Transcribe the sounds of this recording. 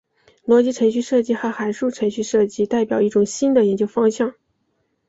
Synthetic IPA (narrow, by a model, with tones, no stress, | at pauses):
lwɔ˧˥t͡ɕi˧˥ʈ͡ʂʰɤ˧˥ŋɕ̬y˥˧ʂɤ˥˧t͡ɕi˥˩xə˧˥xa˨˧˥ɪʂu˥˩ʈ͡ʂʰɤ˧˥ŋɕy˥˧ʂɤ˥˧t͡ɕi˥t̪a˥˩ɪpjɑ˨˩ʊi˥˩ʈ͡ʂʊ˨˩ŋɕi˥nd̪ə˨jɛ˧˥nt͡ɕjo˥ʊfɑ˥ŋɕjɑ˥˩ŋ